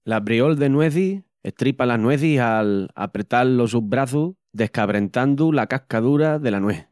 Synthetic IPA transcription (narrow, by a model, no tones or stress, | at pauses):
laβɾio̞ld̪e̞nwe̞θi | e̞̰ht̪ɾipalanwe̞θiala̰pɾe̞t̪alːo̞suβɾaθu | ðe̞hkaβɾe̞nt̪and̪ulakahkaðuɾaðe̞lanweh